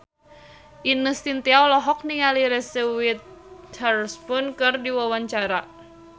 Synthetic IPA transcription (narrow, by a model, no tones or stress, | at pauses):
ʔinəst̪int̪iawlɔɦɔk̚niŋaliɾɛsiwɪt̪̚arspʊnkɨrdiwɔwaɲt͡ʃaɾa